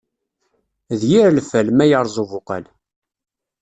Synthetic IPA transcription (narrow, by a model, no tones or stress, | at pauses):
ðjiɾlfælmæjəɾˤzˤuvʊqə̰l